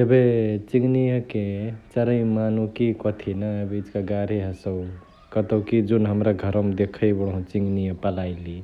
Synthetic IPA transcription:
ebet͡ʃiŋɡnijəket͡ʃəɾəĩmanukikɔt̪ʰinaebid͡ʒkaɡaɾiɦəsəw | kət̪əwkid͡ʒunɦəmɾaɡʱəɾəmd̪ekʰəjbəɽɦũt͡ʃiŋɡnijəpəlaɪli

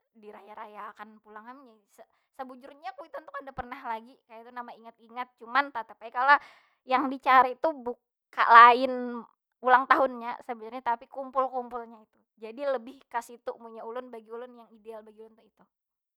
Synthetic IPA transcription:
diɾajaɾajakanpulaŋamiɲasə | səbud͡ʒʊrɲakuit̪ant̪ʊkadapərnahlaɡikajait̪unamaiŋat̪̚iŋat̪̚t͡ʃumant̪at̪apajkala | jaŋdit͡ʃaɾait̪ubuk | a̰ʔlaɪn | ulaŋt̪aɦʊnɲasəbud͡ʒʊrɲat̪apikumpʊlkumpʊlɲait̪u | d͡ʒadiləbɪhkasit̪umuɲaulʊnbaɡiulʊnjaŋidealbaɡiulʊnt̪uit̪u

